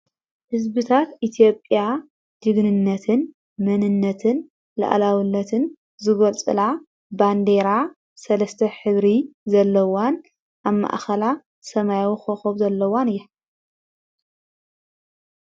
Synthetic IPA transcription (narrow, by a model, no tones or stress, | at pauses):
hɨzbɨt̪ʰat̪ʔit̪ʰijo̞pʼja | d̪̥ɨɡnɨnːɐt̪ʰɨn | mɐnɨnːɐt̪ʰɨn | la̰ʔlawɨnːɐt̪ʰɨn | zɨɡolt͡sʼɨ̰la | band̪e̞ɾa | sɐlɐst̪ʰɐħɨβɾizɐlːɐwan | ʔaβma̰ʔxɐla | sɐmajwxoxobzɐlːɐwanɨjːɐ